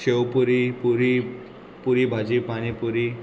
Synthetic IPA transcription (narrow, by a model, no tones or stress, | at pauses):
ɕewpuɾipuɾi | puɾibʱad͡ʑipaɽ̃ipuɾi